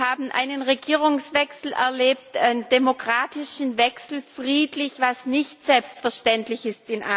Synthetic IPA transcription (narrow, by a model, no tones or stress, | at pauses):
haːbn̩ʔa̰ɪnənʁeɡiːʁʊŋsvɛksl̩ʔɛ̰ɐleːp̚tʔaɪnd̥emokʁ̥aːtɪʃn̩vɛksl̩fʁ̥iːtlɪçvasnɪçtz̥ɛlpstfɛɐʃtɛntlɪçɪstɪnʔa̰